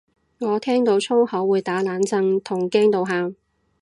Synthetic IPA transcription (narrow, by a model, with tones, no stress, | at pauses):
ŋɔː˨˧t̪ʰɛː˥ŋt̪o˨˧wt͡sʰo˥whɐ˨˥wːuː˨˧jt̪aː˨˥laː˨˧˥nt͡sɐ˧ŋt̪ʰʊ˨˩ŋkɛː˥ŋt̪o˨˧wɦaː˨˧m